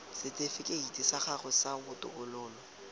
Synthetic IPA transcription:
sɪt͡sʼefɪkʼeitʼɪsaχaχʊsabʊtʼʊ̰kʊlʊːlɔ

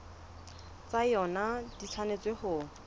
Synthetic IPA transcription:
t͡sajɔnadit͡sʰanet͡swehʊ

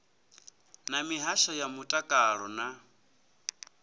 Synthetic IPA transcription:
namiɦaʃajamutʼakʼaɺɔna

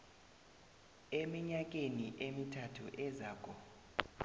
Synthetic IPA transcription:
emiɲak̬ʼeniʔemitʰatʰṵʔɛzaːkʰʼɔ

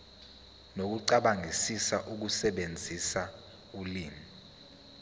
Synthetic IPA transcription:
nok̬uǀaɓaŋisisaʔuk̬usɛɓend͡zʱisa | uliːmi

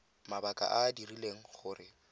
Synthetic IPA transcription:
mabakʼa̰ʔadirileŋ̩χʊːrɪ

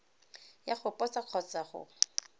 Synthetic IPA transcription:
jaχʊpʼɔt͡saq͡χʰɔt͡saχʊ̰

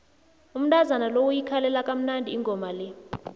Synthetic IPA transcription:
um̩tʼazanalowujikʰalɛlakʼam̩nandʱiːŋʱɔmalɛ

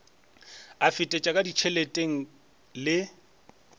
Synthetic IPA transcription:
afɪtʼɛt͡ʃʼakʼadit͡ʃʰeletʼeŋ̩ | lɪ

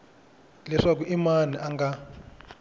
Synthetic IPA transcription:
lɛʂak̬uʔimaniʔaŋɡa

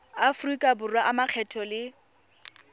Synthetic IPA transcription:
afrikʼabʊrwaʔamaq͡χʰɛtʰɔlɪ

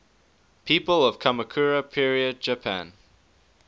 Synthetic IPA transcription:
pʰiːˑpəlˠəv̥kʰaməkʰuːɹəpʰiɹiəd̚d͡ʒəpʰæ̰̃n

